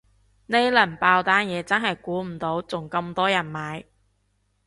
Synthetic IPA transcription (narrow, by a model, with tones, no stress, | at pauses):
ne˥jlɐ˨˩npaː˧wt̪aː˥njɛː˨˧t͡sɐ˥nɦɐ˨jkuː˨˥m̩˨˩t̪o˨˥wt͡sʊ˨˩ŋkɐ˧mt̪ɔː˥jɐ˨˩nmaː˨˥j